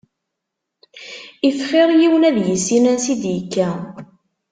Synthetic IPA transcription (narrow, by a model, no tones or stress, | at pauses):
ifχɪɾˤjiwnæðjəsːinænsid̪jəkːæ